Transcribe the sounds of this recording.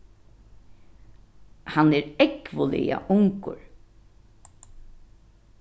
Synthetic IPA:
hanɛːɾɛkvʊlɪ̰ja̰ʔʊŋkʊ̰ɹ

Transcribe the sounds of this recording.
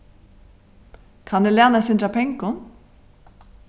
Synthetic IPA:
kʰanːɛlaːnasɪnt̪ɾapʰɛŋkʊn

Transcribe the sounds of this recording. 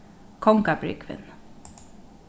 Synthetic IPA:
kʰɔŋkabɾʏ̰ːkʰʋɪ̰n

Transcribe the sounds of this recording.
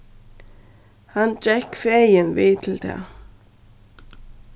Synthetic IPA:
hand͡ʒɛhkfeːjɪnviːt̪ʰɪlt̪ʰɛ̰ː

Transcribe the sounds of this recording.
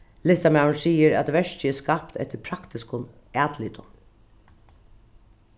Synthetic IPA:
lɪst̪amaɳsiːəɾæ̰t̪ʋɛʂt͡ɕəɛːskapt̪ɛ̰ht̪ɪɾpʰɾakt̪ɪskʊn | æːt̪liːt̪ʊn

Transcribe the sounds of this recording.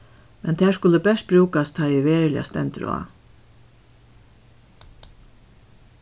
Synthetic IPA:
mɛnt̪ʰæːʂkʊləbɛʂt̪̚bɾʉːkast̪ʰɑɪʋeːɾlɪa̰st̪ɛ̰nt̪ɾo̰a̰

